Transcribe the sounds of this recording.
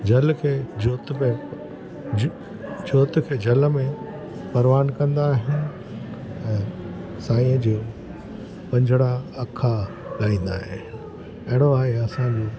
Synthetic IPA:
d͡ʑɐlkʰeːd͡ʑoːt̪mẽ | d͡ʑoːt̪kʰeːd͡ʑɐlmẽ | pɐɾʋaːnkɐ̃nd̪aːɦɪnɪ̆ | ɛ̃ːsaːĩə̃d͡ʑoː | pɐ̃ɲd͡ʑʱəɽaɐkʰa | laːĩːn̆d̪a̰ːɦeɪnɪ | ɐɦɪɽ̃oaːɦeɐsãd͡ʑoː

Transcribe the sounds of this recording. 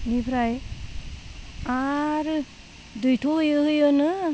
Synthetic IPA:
nibʰʱɾaj | aɾ | dujtʰohɯjɯɦɯjɯnɯ

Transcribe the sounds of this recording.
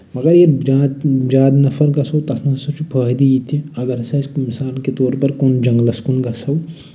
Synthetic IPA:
mɐɡɐɾjed͡ʒaːd̪d͡ʒaːd̪nɐfʰɐɾkɐsɐwt̪ɐsmɐsɐt͡ʃʰipʰəːɦd̪ijit̪iɐɡɐɾsɐskmisaːlket̪oːɾpɐɾkoːnd͡ʒɐ̃ŋɡlɐskunɡɐsɐw

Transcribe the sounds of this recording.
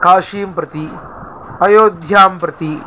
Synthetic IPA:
kaːʃiːmpɾɐt̪i | ɐjoːd̪ʱjaːmpɾɐt̪i

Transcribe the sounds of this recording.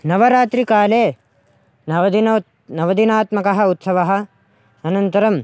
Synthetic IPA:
nɐʋɐɾaːt̪ɾikaːleː | nɐʋɐd̪n | nɐʋɐd̪inaːt̪mɐkɐɦɐ̆ut̪sɐʋɐɦɐ̆ | ɐnɐnt̪ɐɾɐm

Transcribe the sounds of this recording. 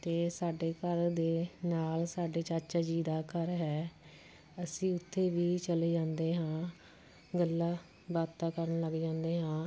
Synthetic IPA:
t̪eːsaːɖeːkəɾd̪eːnaːlsaːɖeːt͡ʃaːt͡ʃaːd͡ʒiːd̪aːkəɾɦɛː | əsĩːʊt̪ʰːeːʋiːt͡ʃəleːd͡ʒãːnd̪eːɦãː | ɡəlːaː | baːt̪aːkəɾəɳləɡd͡ʒãːnd̪eːɦãː

